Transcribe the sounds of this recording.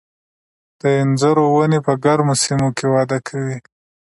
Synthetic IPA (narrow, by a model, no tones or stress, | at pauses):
d̪̥əɪnzaɾowanepəɡaɾmosimokewɑd̪akʰawi